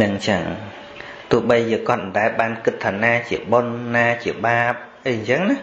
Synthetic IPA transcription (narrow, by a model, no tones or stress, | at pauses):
nɨŋt͡ɕəŋ | t̪ʊ̆əhɓəjːəːŋkŏət̪̚mə̆nɗaɛlɓaːnkɨt̪ʰːaːnaːt͡ɕiəɓonːaːt͡ɕiəɓaːp̚ʔəjɲt͡ɕəŋnah